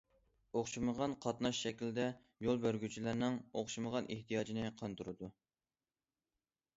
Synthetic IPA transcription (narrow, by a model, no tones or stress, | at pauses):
oχʃiməʁɑnqʰɑt̪nɑʃʃɛkʲild̪ɛ | jolˠbøɾɡʲyt͡ʃʰilæɾnɨŋoχʃiməʁɑnʔeht̪ʰijɑːd͡ʒinɨqʰɑnt̪ʰuɾɨd̪u